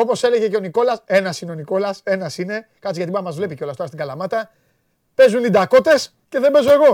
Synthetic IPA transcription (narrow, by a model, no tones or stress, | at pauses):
o̞po̞se̞le̞ʝe̞ce̞o̞niko̞lɐse̞nɐsineo̞niko̞lɐse̞nɐsine̞kɐt̪siʝɐt̪ibɐɐmɐzvle̞piceolɐst̪o̞ɾɐst̪iŋɡɐlɐmɐt̪ɐ | pe̞zunlid̪ɐko̞t̪e̞s | ce̞ðe̞mbe̞zo̞e̞ɣo̞